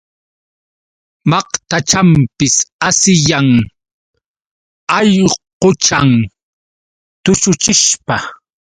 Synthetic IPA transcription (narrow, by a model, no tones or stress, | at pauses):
mɑqt̪at͡ʃampɪsasɪjaŋ | ɑʎqot͡ʃaŋ | t̪ʊt͡ʃʊt͡ʃɪʃpa